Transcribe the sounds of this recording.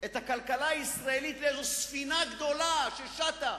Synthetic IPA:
et̪hakalkalaːisʁaelit̪leeʃesfinaɡd̪o̞laʃeʃat̪a

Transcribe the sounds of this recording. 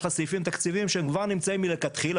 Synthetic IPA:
χasifimt̪akt͡sivimʃeemkvaʁnimt͡saimːilekat̪χil

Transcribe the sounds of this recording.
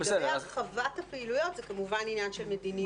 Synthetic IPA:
besɛdχavathapeilujot̪zɛkamuvaninjanʃelmed̪ini

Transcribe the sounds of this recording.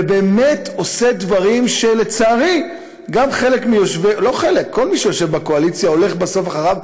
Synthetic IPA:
ebe̞ːme̞tʰo̞se̞d̪vaʁimʃe̞let͡saːʁi | ɡamχe̞le̞kmijo̞ʃvelo̞χelekʰːo̞lmiʃejo̞ʃe̞vbakoalit͡sjao̞leχbaso̞faχaʁav

